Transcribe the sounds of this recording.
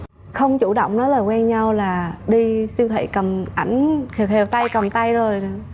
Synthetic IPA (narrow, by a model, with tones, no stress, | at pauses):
xə˧wŋ͡mt͡ɕu˧˩ɗo̰˧˨wŋ͡mnɔ˨˦laː˨˩kwɛ˧nɲa˧wlaː˨˩ɗi˧si˧wt̪ʰwḛ˧˩˨jkə˨˩mʔa˧˩jŋ̟kːhe˨˩wt̪a˧jkə˨˩mt̪a˧jzo˨˩j